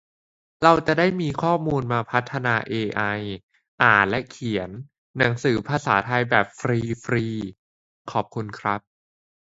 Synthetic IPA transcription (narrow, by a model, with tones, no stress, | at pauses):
ɾa˧wt͡ɕa˨˩daː˥˩jmiː˧kʰɔː˥˩muː˧nmaː˧pʰa˦˥t̪ʰːa˧naː˧ʔeː˧ʔa˧j | ʔaː˨˩nlɛ˦˥kʰi˨˩˦ənː | a˩˦ŋsɯː˩˦pʰaː˧sa̰ː˩˦t̪ʰa˧jbɛː˨˩p̚fɾiː˧fɾiː˧ | kʰɔː˨˩p̚kʰu˧nkʰɾa˦˥p̚